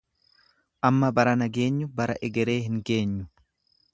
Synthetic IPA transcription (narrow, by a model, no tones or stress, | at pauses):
ʔɐmːɐbɐɾɐnɐɡe̞ːɲːʊbɐɾɐʔɛɡɛɾe̞ːɦɪŋke̞ːɲːʊ̥